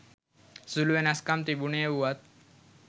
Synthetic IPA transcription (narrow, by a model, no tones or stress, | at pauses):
sulʋenaskamt̪ibuɳeeuwat̪̚